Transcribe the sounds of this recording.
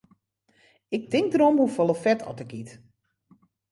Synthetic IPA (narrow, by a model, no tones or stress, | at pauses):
ɪk̚tɪŋk̚dəɾomhufɔlˠəfɛtʰɔ̰təkit